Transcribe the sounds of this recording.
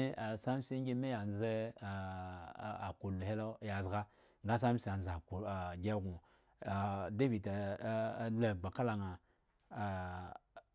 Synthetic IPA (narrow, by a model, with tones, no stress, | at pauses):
i˦a˨sa˦m˦si˦ɡʲi˦me˦ja˨n˦ze˦˨ | a˨ku˨lu˨he˦lo˦ja˨zɡa˦ | ŋ˦ɡa˦s̬a˦m˦si˦˨a˨n˨za˨ko˨ɡʲe˦ɡu˨ | de˦vi˨ta˨˦ | la˨ɡ͡ba˨ka˦la˨ŋa˨